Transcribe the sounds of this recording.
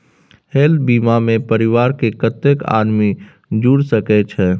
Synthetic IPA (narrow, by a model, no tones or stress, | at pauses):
helbimamẽpəɾɪʋaːɾkekət̪əka̰ːd̪mi | d͡ʒuɽsəkɛt͡ʃʰɛ